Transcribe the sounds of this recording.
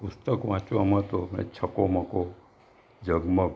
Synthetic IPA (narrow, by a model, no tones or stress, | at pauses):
pʊst̪əkʋãt͡ʃũəmət̪omḛt͡ʃʰəkoməko | d͡ʒəɡmə